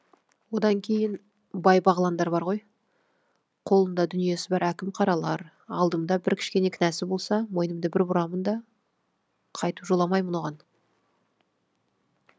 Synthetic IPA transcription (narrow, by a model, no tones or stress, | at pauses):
wo̞d̪ɑŋkʲʰe̞jɪn | bɑjbɑʁlˠɑnd̪ɑɾbɑɾʁo̞j | qʰo̞lˠənd̪ɑd̪ʏnije̞sɪbɑɾækʲɪmqʰɑɾɑlˠɑɾ | ɑ̰lˠd̪əmd̪ɑbɪɾkʲʰɪ̥ʃkʲe̞ne̞kʲʰɪnæsɪbo̞lˠsɑmo̞jnəmd̪əbɪɾbʊɾɑmənd̪ɑ | qʰɑjt̪əpʒolˠɑmɑjmənwo̞ʁɑn